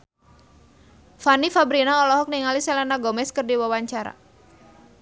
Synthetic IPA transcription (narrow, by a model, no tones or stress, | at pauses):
fanifabɾinaɔlɔɦɔk̚niŋalisɛlanaɡɔmɛskərdiwawaɲt͡ʃaɾa̰